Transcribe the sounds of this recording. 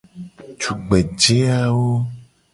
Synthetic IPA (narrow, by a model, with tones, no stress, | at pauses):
t͡ʃu˨ɡ͡be˨d͡ʒe˦a˦wo˦